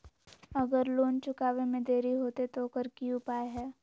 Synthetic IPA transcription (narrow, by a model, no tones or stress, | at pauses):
ɐɡəɾloːnt͡ʃʊkaːʋemẽd̪eːɾiɦoːt̪et̪okəɾkiʊpaːeɦɛː